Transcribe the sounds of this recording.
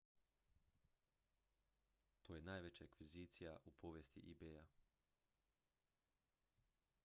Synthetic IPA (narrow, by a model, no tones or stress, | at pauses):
t̪oːjenaːjʋet͡ɕaakʋiziːt̪sijaʔupʰo̞ʋjest̪ḭʔibeja